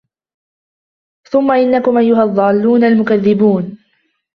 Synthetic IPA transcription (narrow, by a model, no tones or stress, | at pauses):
θʊmːaʔɪnːakʊmʔajːʊɦaɑðˤːɑːlːuːnalmʊkaðːɪbuːn